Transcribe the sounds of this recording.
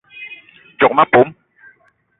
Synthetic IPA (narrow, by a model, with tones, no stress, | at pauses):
d͡ʒɔ˨ma˦po˨˦m